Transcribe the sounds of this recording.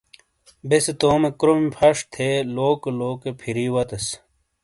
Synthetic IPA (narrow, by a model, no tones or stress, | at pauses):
beset̪oːmekɾomipʰɐʂt̪ʰeloːkeloːkepʰiɾiwɐt̪ɐs